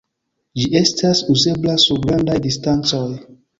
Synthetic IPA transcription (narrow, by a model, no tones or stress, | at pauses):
d͡ʒiestʰasuzeblasuɡɾandajdistant͡soj